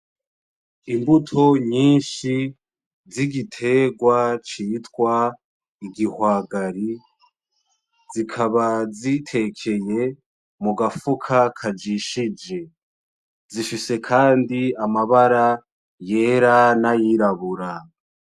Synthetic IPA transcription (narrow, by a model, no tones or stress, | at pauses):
imbutʰoɲiːnʃi | ziɡitʰe̞ɡwat͡ʃiːtwa | iɡihwaːɡaɾi | zikʰaβazitʰe̞kʰe̞je̞ | muɡafukʰakʰad͡ʒiʃid͡ʒe̞ | zifise̞kʰaːndiamaβaɾa | je̞ɾanajiɾaβuɾa